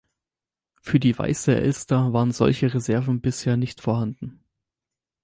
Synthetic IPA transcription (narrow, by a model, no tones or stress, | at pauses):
fyːɐdiːva̰ɪsəʔɛ̰lstaːvaːʁənzɔ̰lçəʁezɛɐvn̩bɪsheːɐnɪçtfoːɐɦandn̩